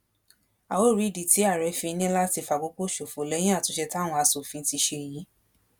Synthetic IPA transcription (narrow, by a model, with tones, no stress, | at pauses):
a˨wo˦˨ɾi˨˦˨di˨ti˨˦a˦˨ɾɛ˨˧˦fĩ˧nĩ˦la˦ti˧fa˨ɡ͡bo˨˧˦k͡po˦ʃo˨fo˨lɛ˨˦jĩ˦a˦˨tũ˨˦ʃɛ˧ta˦˨w̃ɔ̃˧a˧so˨fĩ˨˧˦ti˧ʃe˧˨ji˨˦